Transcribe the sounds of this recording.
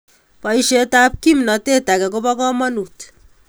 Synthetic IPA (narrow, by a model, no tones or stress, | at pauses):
pʌjʃetap̚kimnɔtetakɛk̬obɔkɔmɔnut